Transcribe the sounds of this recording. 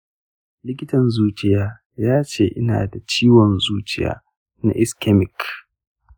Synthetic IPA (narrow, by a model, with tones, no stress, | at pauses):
lɪ˦kʲɪ˦tɐ˨nzuː˦t͡ʃɪ˦jaː˦ | jaː˦t͡ʃeː˨ʔɪ˦na̰ː˨da˨t͡ʃiː˦wɔ˨nzuː˦t͡ʃɪ˦ja̰ː˦ | na̰˦ʔɪ˦skɛ˦mɪ˨k